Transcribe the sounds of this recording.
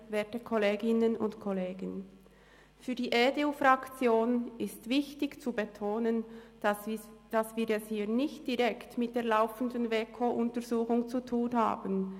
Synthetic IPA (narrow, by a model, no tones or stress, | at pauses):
veːtəkʰɔleːɡɪnənʊ̰ntkʰɔleːɡən | fyːɐdiːʔeːdeufʁɑkt͡sjoːnɪstv̥ɪçtɪçt͡subetʰoːnən | d̥asv̥iːɾɛshiːnɪçtd̥iʁɛktmɪt̚d̥eːɐlaʊfən̩dənveːkʰoʔʊntəɾzuːxʊŋt͡sutʰuːnɦa̰ːbən